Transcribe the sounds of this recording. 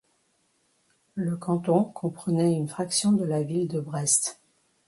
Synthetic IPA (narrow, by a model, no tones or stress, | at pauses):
ləkɑ̃t̪ɔ̃kʰɔ̃pχənɛynfχaksjɔ̃d̪əlavild̪əbʁɛst̪